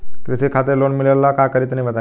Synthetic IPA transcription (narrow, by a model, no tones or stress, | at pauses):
kɾisekʰat̪əɾlonmiləlːakakəɾiːt̪nĩʋət̪a